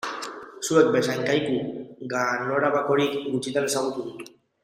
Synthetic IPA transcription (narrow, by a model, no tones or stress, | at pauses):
suek̪̚besajŋkajkuɡanoɾaβako̞ɾikɡut͡ʃit̪ensaɣut̪uði